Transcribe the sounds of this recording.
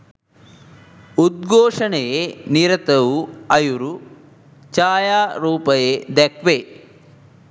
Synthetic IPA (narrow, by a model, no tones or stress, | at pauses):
ud̪̚ɡoːʂɐɳejeniɾɐt̪ɐwuɐjuɾu | t͡ʃaːjaːɾuːpɐjed̪ɐkʰʋe